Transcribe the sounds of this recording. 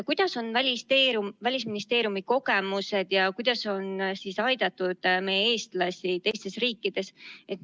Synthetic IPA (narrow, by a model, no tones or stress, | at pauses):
kujd̪̥ɑso̞nvælʲist̪euvælʲisminist̪e̞ːɾijumiko̞ɡe̞muse̞d̪̥jɑkujd̪̥ɑso̞nsisɑjd̪̥ɑt̪ːˑud̪̥me̞jee̞ːst̪lɑsʲit̪e̞jst̪e̞sriːkːˑid̪̥e̞se̞t̪